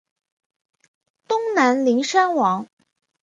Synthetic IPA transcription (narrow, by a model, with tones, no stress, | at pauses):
t̪ʊ˥ŋna˧˥nli˧˥ŋʂa˥nwɑ˧˥ŋ